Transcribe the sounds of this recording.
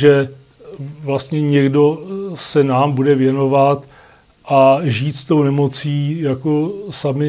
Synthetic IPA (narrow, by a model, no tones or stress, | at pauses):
ʒɛ | vlast̪ɲɛɲɛɡdo̞sɛnaːmbudɛvjɛno̞vat̪ | ʔaʒiːt̪st̪o̞wnɛmo̞t͡siːjakosamɪ